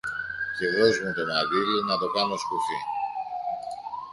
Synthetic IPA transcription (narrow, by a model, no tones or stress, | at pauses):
ceðozmet̪onɐdilunɐt̪o̞kɐno̞skuçi